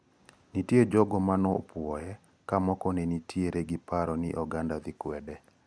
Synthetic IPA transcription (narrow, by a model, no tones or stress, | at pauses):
nitjed͡ʒɔɡɔmanɔpwɔjɛ | kamɔkɔnenitʰjeɾeɡɪpaɾɔnɪ̰ʔɔɡandad̪ɪkwɛdɛ